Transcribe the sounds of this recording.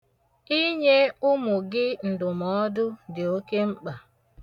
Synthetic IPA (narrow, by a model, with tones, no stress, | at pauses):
i˦ɲe˦ʊ˦mʊ˨ɡɪ˦n̩˨dʊ˨mɔ˦dʊ˦dɪ˨o˦ke˦ŋ͡m̩˦k͡pa˨